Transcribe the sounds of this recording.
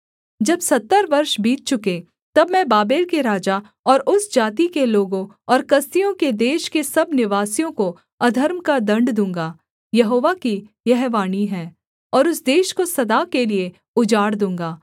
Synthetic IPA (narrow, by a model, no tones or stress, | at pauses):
d͡ʒɐbsɐt̪ːəɾʋɐɾʃbʱiːt̪̚t͡ʃʊke | t̪ɐbmɛ̃baːbeːlkeɾaːd͡ʒa | ɔːɾʔʊsd͡ʒaːt̪̬ikeloːɡõ | ɔːɾkɐst̪ijõked̪eːʃkesɐbnɪʋaːsijõko | ɐd̪ʱəɾmkad̪ɐ̃ɳɖd̪ũːŋɡaː | jɐɦoːʋaki | jɛɦʋaːniɦɛː | ɔːɾʊsd̪eːʃkosɐd̪aːkelie | ʊd͡ʒaːɽd̪ũːŋ̆ɡaː